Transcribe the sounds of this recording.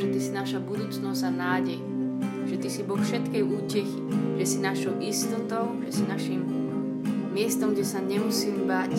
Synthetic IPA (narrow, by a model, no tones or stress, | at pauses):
ʒɛt̪isinaʃabud̪uːt͡snɔzanaːɟɛj | ʒ̥ɛt̪isibɔlfʃɛt̪kɛjuːcɛxiʒ̥ɛsinaʃɔʊʔist̪ɔt̪ɔʊʒɛsinaʃimː | ɪɛst̪ɔmɡɟɛsaɲɛmusiːmbac